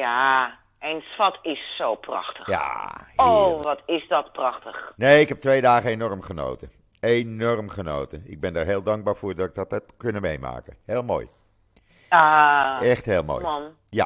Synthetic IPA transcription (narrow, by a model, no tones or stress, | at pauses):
ja | ɛnsfɔtɪsːowprɑ̰xtəxja̰hoʋɔtɪsdɔtprɑxtəxneːɪkhɛp̚tʋejdaːχəenɔrmχəno̰ːtə | eːnɔrmχəno̰ːtəɪɡ̚bɛndarɦeːlˠdɑŋɡ̚baːɹfʊːrdɔtɪɡ̚dɔthɛp̚kønəmejma̰ːkəheːlˠmo̰ːj | aɛxtheːlˠmo̰ːjɔn | ja